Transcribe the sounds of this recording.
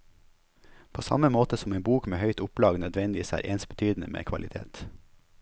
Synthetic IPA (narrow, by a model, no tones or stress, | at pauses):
pʰoːsɑ̰məmoːt̪əsɔmeːnbuːkmeːhœʏt̪ʊplɑːɡnœd̪ʋɛnd̪ɪʋiːsæ̰ːɾʔeːnsbət̪ʰyːd̪n̩əmḛːkʰʋɑlɪt̪ʰḛːt̪